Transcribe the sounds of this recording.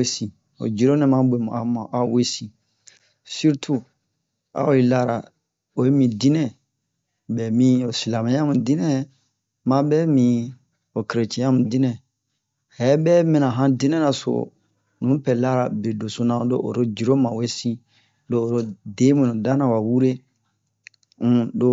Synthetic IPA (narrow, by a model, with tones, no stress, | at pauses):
e˦sĩ˨ | o̰˨d͡ʒi˨ɾo˦nɛ̃˨mã˦be˨mṵ̃˨a˨mã˨ʔa˨we˦sĩ˨ | su˦ɾtʰu˦ | a̰˨˦o˨i˨la˦ɾa̰˨ | o˨e˦mĩ˨di˦nɛ̃˦˨ | bɛ˨mĩ˦o˨si˨la˨mã˨jã˦mũ˨di˦nɛ̃˦ | mã˦bɛː˦mĩ˨ | o˨ke˨ɾe˨t͡ʃɛ̃˨jã˦mũ˨di˦nɛ̃˨ | hɛ˨˦bɛ˦mɛ̃˦nã˨ɦã˦di˦nɛ̃˦nã˨so̰˨ | nũ˨˦pɛ˨la˦ɾa˨be˨do˨so˦nã˨do̰˦ʔo̰˨ɾo˦d͡ʒi˨ɾo˦mã˨we˦sĩ˦ | doː˦˨ɾo˦de˦mĩ˨nũ˨da˦nã˨wa˨wu˦ɾe˦ | ũ˦do˦